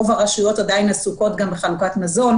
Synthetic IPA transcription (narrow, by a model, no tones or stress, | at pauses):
ovaʁaʃujo̞tadainasuko̞tɡambeχalukatmazo̞n